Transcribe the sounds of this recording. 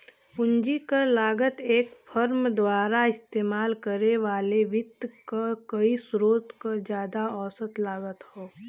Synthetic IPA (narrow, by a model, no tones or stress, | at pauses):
ʊ̃ɲd͡ʒikalaːɡət̪eːkfʰəɾmd̪waːɾaɪst̪eːmaːlkəɾeʋaːleʋɪt̪kakɐisɾoːt̪kod͡ʒjaːd̪aɔːsət̪laːɡət̪hoː